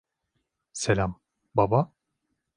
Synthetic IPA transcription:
selʲam | baba

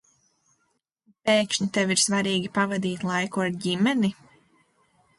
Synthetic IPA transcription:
peːkʃɲit̪eviɾsvaɾiːɡʲipavad̪iːt̪lˠajkuaɾɟimɛni

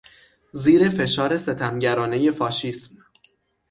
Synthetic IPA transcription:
ziːɾe̞fe̞ʃɒːɾe̞se̞t̪ʰæmɟæɾɒːne̞je̞fɒːʃiːsm

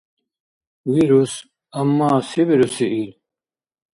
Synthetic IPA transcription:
wiɾus | ɐmːaːsibiɾusiʔiɾ

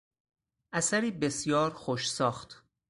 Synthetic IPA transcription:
ʔæsæɾiːbe̞sjɒːɾxoʃsɒːxt̪

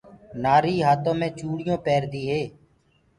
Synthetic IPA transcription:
naːɾiːɦaːt̪õːmẽːt͡ʃuːɽɪjõːpɛːɾd̪iːɦeː

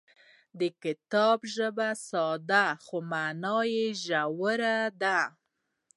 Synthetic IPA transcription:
d̪əkɪt̪ɑbʒəbasɑd̪axomanɑjeʒawəɾad̪a

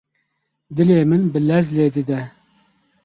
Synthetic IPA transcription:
d̪ɨleːmɨnbɨlɛzleːd̪ɨd̪ɛ

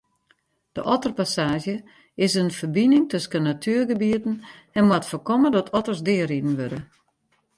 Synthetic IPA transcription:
d̥ə̰ʔɔtərpasaːʒjə | ɪsənfərbinɪŋtøskənatʰyːərɡəbiətn̩ | ɛnmwatfərkɔmədɔtʰɔtərsdɪəridn̩ʋødə

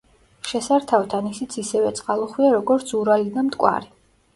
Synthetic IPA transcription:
ʃɛsaɾt̪ʰawt̪ʰanisit̪sʰisɛvɛt̪sʼqʼalˠɔχwiaɾɔɡɔɾt̪sʰuɾalid̪amt̪ʼkʼwa̰ɾi

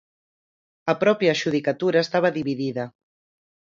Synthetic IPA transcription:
ɐpɾɔpjaʃuðikat̪uɾɐest̪aβ̞ɐðiβiðiðɐ

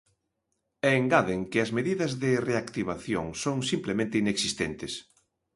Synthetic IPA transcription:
ɛːŋɡaðeŋkɪɐzmeðiðɐzðɪreakt̪iβ̞aθjo̰ŋsoŋsimplemẽnt̪ɪineksist̪ent̪ɪs

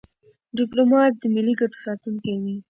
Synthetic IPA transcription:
ɖɪplomɑt̪̚d̪əmiliɡaʈo̥sɑt̪uŋkajwi

